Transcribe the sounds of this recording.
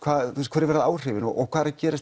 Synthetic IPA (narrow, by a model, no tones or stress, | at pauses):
kʰvaːθuɛst̪kʰɛɾɪɾvɛːɾaðaːwr̥ɪːvɪnɔʔɔkʰvaːðɾacɛːɾɪs